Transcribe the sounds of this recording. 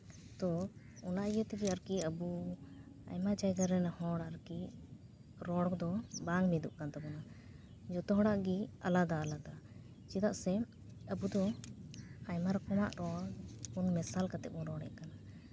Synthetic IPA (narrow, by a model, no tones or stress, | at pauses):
t̪ɔ | ɔnaʔijət̪iɡiaɾkiəbu | a̰jmad͡ʒajɡaɾɛnahɔɽaɾki | ɾɔɽkd̪ɔbaŋɡmɛd̪ṵʔkant̪abɔna | d͡ʒɔt̪ɔɦɔɽaʔɡia̰lad̪aːlad̪a | t͡ʃid̪aʔsɛ | əbud̪ɔ | ajmaɾɔkɔmaʔɾɔɽbunmɛsalkat̪ɛ̰ʔ̚ɔɾɔɽɛ̰ʔkana